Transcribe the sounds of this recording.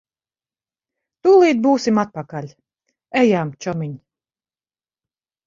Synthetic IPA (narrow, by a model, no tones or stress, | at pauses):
t̪uːlˠiːd̪̚buːsʲimat̪̚pakalʲ | ɛjaːmt͡ʃɔmiɲ